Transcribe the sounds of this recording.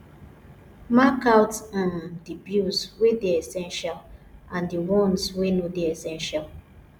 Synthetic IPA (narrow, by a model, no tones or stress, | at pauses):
makawtãndibjuswedeɛsɛ̃nʃalãndiwɔ̃nswenodeesɛ̃nʃal